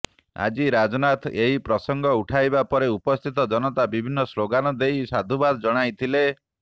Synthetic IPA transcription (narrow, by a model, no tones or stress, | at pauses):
a̰d͡ʒiɾad͡ʒɔnat̪ʰeɦipɾɔsɔŋɡʱɔuʈʰajbapɔɾeupɔst̪ʰit̪ɔd͡ʒɔnɔt̪abibʱinːɔsloɡanɔd̪ejsad̪ʱubad̪ɔd͡ʒɔɽ̃ajt̪ʰile